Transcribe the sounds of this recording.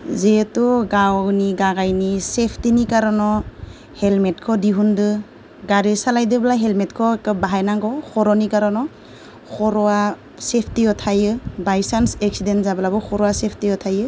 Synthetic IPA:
zetɔɡawniɡaɡajnisepʰtinikaɾɔnɔ | helmet̚kʰɔdiɦundɯ | ɡaɾesalajdɯblaɦelmetkʰɔkɯbaɦajnaŋɡɔxʰɔɾɔnikaɾɔnɔ | xʰɔɾɔa | sepʰtiɔtʰajɯbajsansek̚sidentzabɯlabɔxʰɔɾɔasepʰtiɔtʰajɯ

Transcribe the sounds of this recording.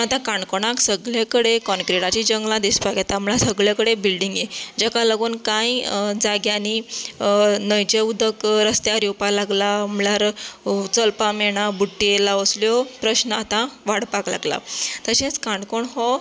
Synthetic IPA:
at̪ãkãɳkoɽ̃aksəɡɭjakəɽekɔnkɾeɽat͡ɕid͡ʑəŋɡlãd̪ispakat̪amlasəɡɭjakəɽebilɖiŋɡjed͡ʑakaləɡuːnkãjd͡zaɡjani | nəjt͡ɕeud̪ʱəkɾəst̪jaɾjowpalaɡlaːmljaɾt͡səlpameɽ̃abuʈːielaəsljɔpɾəɕnəat̪ãʋaɽpakla̰ɡla̰t̪əɕẽt͡skaɳɖkoɳɦɔ

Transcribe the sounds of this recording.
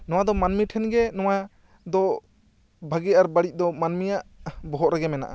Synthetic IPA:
nɔw̃ad̪ɔmanmiʈʰɛnɡɛnɔwa | d̪ɔ | bʱaɡɛaɾbaɽic̚ˀd̪ɔmanmijaʔbɔɦɔʔɾaɡɛmɛna̰ʔa̰

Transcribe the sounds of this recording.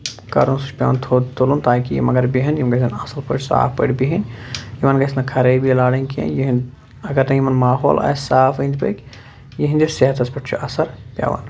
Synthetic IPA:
kɐɾunsut͡ʃpʲja̰ːnt̪ʰot̪ʰulunt̪aːkijḭmɐɡɐɾbiɦɐnjimɡɐsinɐsɐlpə̰ʈʲsa̰ːfpə̰ʈbiɦinjimɐnɡɐsnɐkʰɐɾɐbilaːɽɐnʲkʰiḛ̃njiɦn | ɐɡɐɾnɐjimɐnmaːɦoːlɐ̰ːsaːfɐind͡ʒ̪pɐ̰kʲ | jiɦind̪iɾseɦɐt̪ʰɐspɐʈʰt͡ʃʰṵʔɐsɐɾpʲja̰ːʋɐ̰n

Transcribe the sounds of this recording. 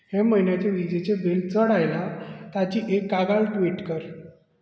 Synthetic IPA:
heməɦjnjat͡ɕeʋid͡ʑet͡ɕebilt͡səɽajlat̪at͡ɕiːʔekːaɡalʈʋiʈkəɾ

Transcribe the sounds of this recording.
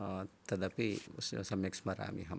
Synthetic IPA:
t̪ɐd̪ɐpissɐmeksmɐɾa̰ːmḭɦɐ

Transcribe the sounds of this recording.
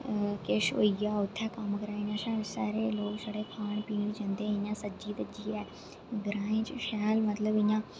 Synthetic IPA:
kɪʃo̰ːijaːʊt̪ʰːɛːkəmkəɾaːɪjãːʃaːsa̰ːɾeːloːksəɽeːkʰaːɳpiːd͡ʒə̃nd̪eːɪjãːsəd͡ʒiːt̪əd͡ʒiːɛː | ɡɾãːẽːt͡ʃʃɛːlmət̪ləbɪɲãː

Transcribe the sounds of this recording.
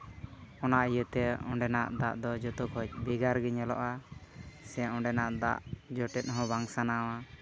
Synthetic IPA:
ɔnaʔijət̪ɛɔ̰̃ɖɛnaʔd̪a̰ʔd̪ɔd͡ʒɔt̪ɔkɦɔc̚ˀbɛɡaɾɡɛɲɛlɔ̰ʔa | sɛɔ̃ɖɛnaʔd̪a̰ʔd͡ʒɔʈɛt̪̚ˀɦɔ̃baŋsanawa

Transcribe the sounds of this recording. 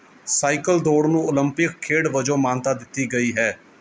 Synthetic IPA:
saːikəld̪oːɽnũːʊləmpɪkʰːeːɽʋəd͡ʒõːmaːnt̪aːd̪ɪt̪ːiːɡəiːɦɛː

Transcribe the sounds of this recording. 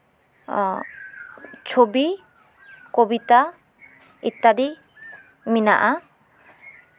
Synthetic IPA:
t͡ʃʰobi | kobit̪a | it̪ːadi | mina̰ʔa

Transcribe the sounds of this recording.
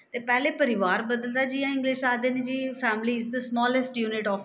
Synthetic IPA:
t̪eːpɛːleːpəɾɪʋaːɾbəd̪əld̪aːd͡ʒiːãːɪ̃ŋɡlɪʃaːd̪eːneːd͡ʒiːpʰɛːmliːɪzd̪əsmɔːləsʈjuːnɪʈɔːf

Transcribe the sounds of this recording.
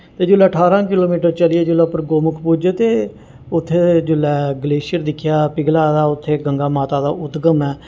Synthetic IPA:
t̪eːd͡ʒʊlːɛːəʈʰaːɾãːkɪloːmiːʈəɾt͡ʃəlɪeːd͡ʒʊlːɛːpəɾɡoːmʊkʰpud͡ʒet̪eː | ʊt̪ʰːeːd͡ʒʊlːɛːɡəleːʃɪəɾd̪ɪkʰːjaːpɪɡlaːd̪aːʊt̪ʰːeːɡəŋɡaːmaːt̪aːd̪aːʔʊt̪ɡəmɛː

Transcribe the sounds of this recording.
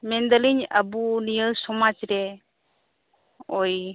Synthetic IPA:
mɛnd̪əliɲa̰bunijəsɔmad͡ʒɾɛ | ɔj

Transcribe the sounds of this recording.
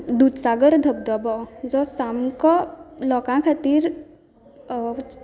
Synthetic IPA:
d̪ud̪saːɡəɾd̪ʱəb̚d̪ɔbɔd͡ʒɔsaːmkɔlɔkãkʰat̪iɾ

